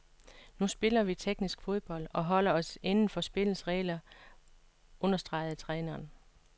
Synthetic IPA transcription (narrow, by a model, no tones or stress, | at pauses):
nusb̥e̝lɐʋit͡sʰeɡ̥nisɡ̥fo̝ð̞ˠb̥ɒ̽l̰d̥ɒ̽ɦɒ̽l̰ɐɒ̽se̝nn̩fɒ̽sb̥e̝l̩sʁɛːlɐ | ʔɔ̽nɐsd̥ʁɑ̈ɪð̞̩ˠt͡sʰʁɛːnɐːn